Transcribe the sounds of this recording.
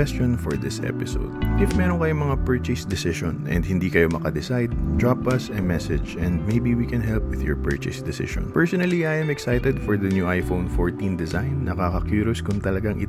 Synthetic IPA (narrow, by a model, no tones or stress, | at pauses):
ɛst͡ʃonfɔɹd̪ɪsʔɛ̰pɪso̰wd̪̚ʔɪfmɛɾonkɐjoŋmɐŋapɛɹt͡ʃɪsd̪ɪsɪʃõnɛ̰̃nd̪hɪ̃nd̪ikɐjomɐkɐd̪ɪsajd̪̚d̪ɹapɐsɐmɛsɛd͡ʒɛ̃nd̪̚mejbiwikɛ̃nɦɛlpwɪðjɔɹpɛ̰ɹt͡ʃɪsd̪ɪsɪ̰ʃɔ̰̃npɛɹsɔnɐliajʔɛ̃mɛksajt̪ɛd̪fɔɹðɐnjuʔajfownfoɹt̪ĩnd̪ɛzãjnːɐkakɐkjuːɾoskʊŋt̪ɐlɐɡaŋʔɪ